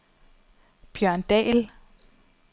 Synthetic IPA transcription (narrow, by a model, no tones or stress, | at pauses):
b̥jœɐ̰nd̥ɛ̰ːl